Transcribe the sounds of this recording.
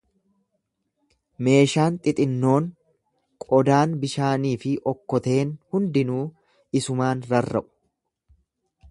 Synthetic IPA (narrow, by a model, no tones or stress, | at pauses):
me̞ːʃaːnt̪ʼɪt̪ʼɪnːo̞ːŋ | kʼɔd̪aːnbɪʃaːniːfɪʔɔkːɔt̪e̞ːnhʊnd̪ɪnuː | ɪsʊmaːnɾɐrːɐʔʊ̥